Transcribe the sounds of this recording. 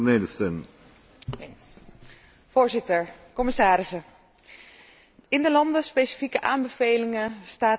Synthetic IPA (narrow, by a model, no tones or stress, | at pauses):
neːdəstən | n | voːɹzɪtəɹkɔmɪsaːɾɪsə | ɪndəlɑndəspejsi̥fikəʔaːmbəv̥ejlɪŋəstaː